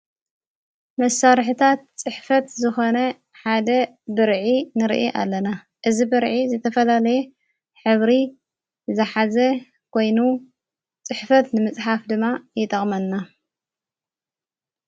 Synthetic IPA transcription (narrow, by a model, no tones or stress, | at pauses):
mɐsːaɾħɨt̪ʰat̪t͡sʼɨħfɐt̪zɨxo̞nɐ | ħad̪ɐ | bɨɾʕinɨɾ̰ʔiʔa̰lːɐna | ʔɨzibɨɾʕizɨt̪ʰɐfɐlalɐjɛ | ħɨβɾi | zɨħazɐ | kʰo̞jnu | t͡sʼɨħfɐt̪nɨmɨt͡sʼħafd̪ɨmːajɪt̪ʼɐχʼmɐnːa